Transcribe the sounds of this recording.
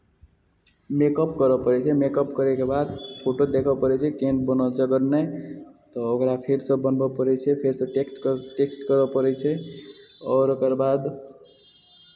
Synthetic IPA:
mekəpkəɾɔpəɾɛt͡ʃʰɛmekəpkəɾekebad̪pʰoʈod̪ekʰəpəɾɛt͡ʃʰɛkenbənɔd͡ʒəɡəɾnɛt̪ɔokɾapʰeɾsə̃bənbɔpəɾɛt͡ʃʰɛpʰeɾsə̃ʈekʈeksʈkəɾɔpəɾɛt͡ʃʰɛ | ɔːɾokəɾbad̪

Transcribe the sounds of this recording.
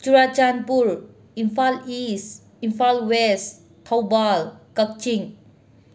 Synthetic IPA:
t͡ʃuɾat͡ʃanpuɾ | inpʰalis | inpʰalwes | tʰawbalkək̚t͡ʃiŋ

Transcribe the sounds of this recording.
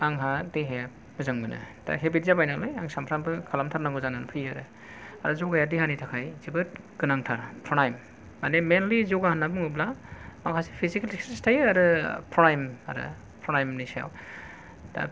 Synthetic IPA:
aŋɦadeɦeja | mɯzaŋbɯnɯ̰d̥a̰ɦebit̚zabajnalɔjaŋsampʰɾambɯkʰalamtʰaɾnaŋɡɯzanɯnpʰɯjaɾɯ | aɾɯzoɡajadihanitʰakʰajzibɯt̚ɡ̥ɯnaŋtʰaɾpʰɾɔnajmː | anemenlizoɡahanːabɯŋɯblamaŋkʰasi̥pʰizikliksestʰajaɾɯpʰɾɔnajma̰ɾɯ̰ | pʰɾɔnajmnisaa̰w | d̥a̰

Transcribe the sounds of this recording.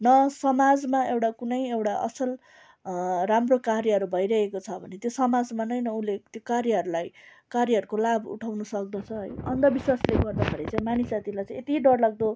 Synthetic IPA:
nʌsʌmad͡zmaewʈakunʌjewʈaʔʌ̰sʌl | ramrokaɾjʌɦʌɾubʱʌjɾʌɦekot͡sʰʌbʱʌnet̪josʌmad͡zmanʌjnʌulet̪jokaɾjʌʌɾulaj | kaɾjʌɦʌɾukolabṵʈʰawnʌsʌk̚d̪ʌt͡sʰʌɦʌ̰jʌnd̪ʌbiswasleɡʌrd̪apʰʌɾet͡sãj̃manisat̪ilajt͡sʌj̃et̪iɖʌrlaɡ̚d̪o

